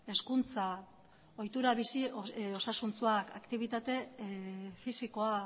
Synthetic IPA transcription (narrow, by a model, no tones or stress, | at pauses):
e̞skunt͡sa | o̞jt̪uɾaβisio̞sasunt͡suaka̰kt̪iβ̞it̪at̪e̞ | fisiko̞a